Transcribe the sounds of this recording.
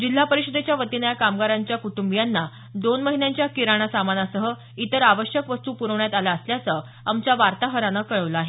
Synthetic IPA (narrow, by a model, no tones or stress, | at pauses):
d͡ʑil̤ːapəɾiɕəd̪et͡ɕjaʋət̪inəjakamɡaɾaɲt͡ɕjakuʈumbijanːa | d̪onməɦinjaɲt͡ɕjakiɾaɽ̃asamanasəɦə | it̪əɾaʋəɕjəkʋəst̪uːpuɾəʋɳjat̪alaːsljat͡sə | amt͡ɕjaʋaɾt̪aɦəɾanəkəɭəʋlaaɦe